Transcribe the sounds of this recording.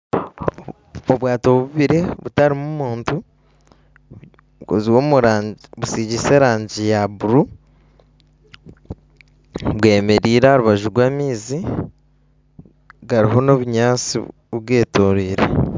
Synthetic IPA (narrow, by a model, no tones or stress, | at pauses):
oβwaːto̞βuβiɾe̞βutaɾimumuːntu | oziwomuɾaβusiɟise̞ːɾaːɲɟijaβuɾu | βwe̞ːme̞ɾiːɾaoɾuβaʒuɾɡwaːmiːzi | ɡaɾiɦo̞no̞βuɲaːt͡si | βwe̞ːtoɾiːɾḛ